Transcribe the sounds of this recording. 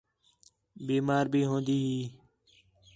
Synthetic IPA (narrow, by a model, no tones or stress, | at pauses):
biːmaːɾbʱiːɦõːnd̪iːɦiː